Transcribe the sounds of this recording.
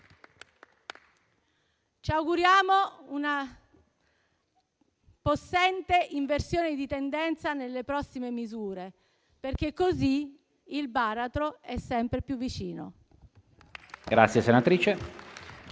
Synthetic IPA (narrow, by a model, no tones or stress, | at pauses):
t͡ʃiawɡuɾjaːmouna | posːɛnt̪eʔiɱversjoːned̪it̪end̪ɛnt̪sanelːepɾɔsːimemizuːɾe | perk̟ekːozi | ilbaːɾat̪ɾoɛsːɛmpɾepjuvːit͡ʃiːno̰ | ɡɾa̰t̪sjesenat̪ɾiːt͡ʃe